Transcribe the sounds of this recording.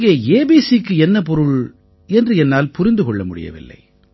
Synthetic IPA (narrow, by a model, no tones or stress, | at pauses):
ɡejɐeːbiːsikːɯɛnːɐp̬ɔɾɯɭ | ɛndrɯɛnːaːlpʊɾɪnd̪ɯkɔɭːɐmʊɽɪ̰jɐ̰ʋɪ̰lːɐ̰ɪ